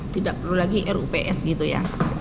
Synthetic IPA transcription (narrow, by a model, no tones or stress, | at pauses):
t̪idaʔpərlulaɡiʔɛɾupeʔɛsɡit̪uja̰